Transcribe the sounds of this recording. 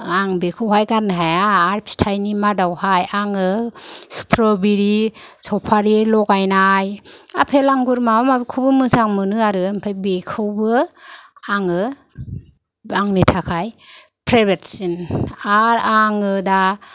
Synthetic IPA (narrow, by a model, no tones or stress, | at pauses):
aŋbekʰɯwɦajɡanɦajaːɾpʰi̥tʰajnimadawhajaŋɯstʰɾɔbiɾisɔpʰaɾilɔɡajnaja̰pʰelaŋɡuɾmamabikʰubɯmɯsaŋmɯnɯaɾɯmpʰajbekʰɯwbɯ | aŋɯ | aŋnitʰakʰaj | pʰɾabetsinaɾaŋɯda